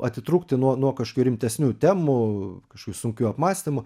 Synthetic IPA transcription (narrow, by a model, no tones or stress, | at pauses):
ɐt̪ʲɪt̪ɾuːkt̪ʲɪnuɔnuɔkɐʃokʲuːɾʲɪmʲt̪ʲɛsʲnʲuːt̪ʲæmʊkɐʃokʲusʊŋʲkʲuːɐpmɑːsʲt̪ʲɪmʊ